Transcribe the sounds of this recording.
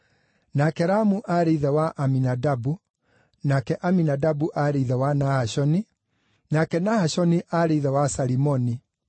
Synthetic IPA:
nakɛɾamuʔaɾeiðɛwaʔaminadabu | nakɛʔaminadabuʔaɾeðɛwanahaɕɔni | nakɛnahaɕɔniʔaɾeiðɛwasaɾimɔni

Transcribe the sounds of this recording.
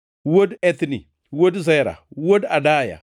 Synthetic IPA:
wodet̪ni | wodzaɾa̰wodadaja̰

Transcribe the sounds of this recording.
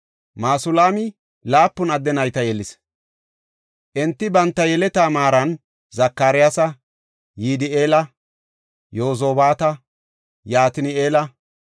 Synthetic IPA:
maːsʊlaːmɪ | laːpːʊnɐd̪ːɛnɐjt̪ɐjɛlːɪs | ʔɛnt̪ːɪbɐnt̪ːɐjɛlɛt̪aːmaːɾɐn | zɐkːaːɾɪjasɐ | jiːd̪ɪeːlɐ | jo̞ːz̬oːbaːt̪ɐ | jaːt̪ɪnɪeːlɐ

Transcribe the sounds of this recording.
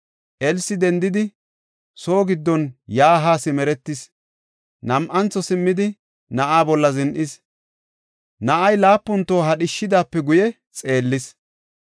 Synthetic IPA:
ʔɛlsɪd̪ɛnd̪ɪd̪ɪ | so̞ːɡɪd̪ːɔnjaːɦaːsɪmɛɾɛt̪ːɪs | nɐmʔɐnt͡sːɔsɪmːɪd̪ɪ | nɐʔaːbɔlːɐzɪnʔɪs | nɐʔɐjlaːpːʊnt̪ːo̞ːɦɐɗɪʃːɪd̪aːpːɛɡʊjɛ | t͡sʼe̞ːlːɪs

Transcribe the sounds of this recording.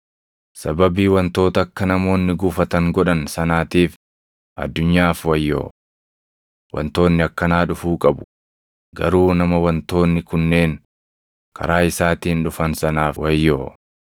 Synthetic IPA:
sɐbɐbiːwɐnt̪o̞ːt̪ɐːkːɐnɐmo̞ːnːɪɡuːfɐt̪ɐŋɡɔᶑɐnsɐnaːt̪iːf | ʔɐ̰d̪ːʊɲːaːfwɐjːo̰ː | wɐ̰nt̪o̞ːnːɪɐkːɐnaːᶑʊfuːkʼɐbʊ̥ | ɡɐ̰ɾuːnɐmɐwɐnt̪o̞ːnːɪkʊnːe̞ːn | kʰɐ̰ɾaːɪsaːt̪iːnᶑʊfɐnsɐnaːfwɐjːoː

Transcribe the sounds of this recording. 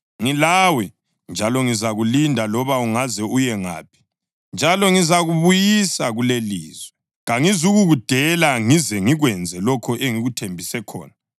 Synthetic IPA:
ŋilawɛ | nd͡ʒʱalɔŋizaɣulindʱalɔβauŋazɛujɛŋa̰ːpʰi̥ | nd͡ʒʱalɔŋizaɣuβujisaɣuleliːzwɛ | ɣaŋizuɣuɣud̥ʱɛlaŋizɛŋiɣwɛnd͡zʱɛlɔkʰɔʔeŋiɣutʰembʱisɛkʰɔ̰ːna

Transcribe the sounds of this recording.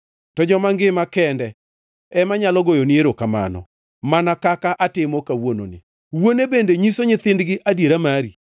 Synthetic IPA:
tɔd͡ʒɔmaŋɡɪmakɛndɛ | ɛmaɲalɔɡojonieɾokama̰nɔ̰ | manakakaʔatɪmɔkawono̰nɪ̰ | wonebendeɲisoɲɪt̪ɪndɡɪʔadjeɾamaɾi

